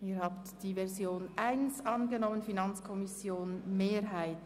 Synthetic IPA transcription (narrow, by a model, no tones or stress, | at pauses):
iːɾhaːptd̥iːvɛɐzjoːnʔaɪnsʔɑnɡənɔmənfinɑnt͡skʰɔmɪsjoːnmeːɾɦaɪt